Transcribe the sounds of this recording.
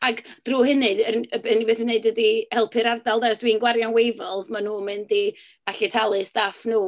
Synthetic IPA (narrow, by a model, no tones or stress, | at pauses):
aɡd̥ruːhɪnɨəəbeðnibeːθneɨdwədihɛlˠpʰɨɾardalˠdaɔsd̥winɡwarjanwejvɔlˠzmanuːmɨndi̥ | aɬɪtʰalˠɨsd̥aːfnuː